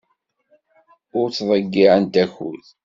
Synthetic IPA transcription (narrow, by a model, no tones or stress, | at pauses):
ʊɾt͡sːðˤəɡːiʕənt̪æçṵð